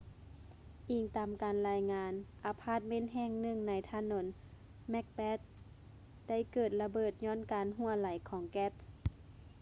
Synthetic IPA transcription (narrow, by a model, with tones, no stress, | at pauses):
ʔiː˨˩ŋt̪aː˨˩mkaː˨nlaː˧jŋaː˧˥nʔa˨˧pʰaː˧˥˩t̪̚me˧˥˨nɦɛː˧˥˨ŋnɯ˧˩˨ŋna˧˦jt̪ʰaː˧˥no˧˦n | mɛ˧˥k̚pɛː˦˥t̪̚ | da˥˩˨jkɤː˨˩t̪̚la˧bɤː˨˩t̪̚ɲɔː˧˥˨nkaː˨nɦu˧˥˩ɐla˨˦jkʰɔː˨˦ŋkɛ˦˥t̪̚